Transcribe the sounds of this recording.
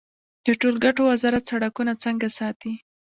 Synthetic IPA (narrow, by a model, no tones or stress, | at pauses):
d̪̥əʈolɡaʈowazɑɾat̪saɽakunat͡səŋɡasɑt̪i